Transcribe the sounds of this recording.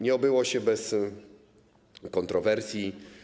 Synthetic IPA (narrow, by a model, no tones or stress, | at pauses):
ɲɛɔbɘwɔɕɛbɛs | kɔnt̪ɾɔvɛɾsʲji